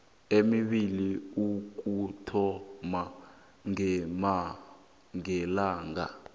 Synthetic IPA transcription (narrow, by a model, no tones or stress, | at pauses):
emiɓiliuk̬ʼutʰɔma | ŋɛma | ŋɛlaːŋa̰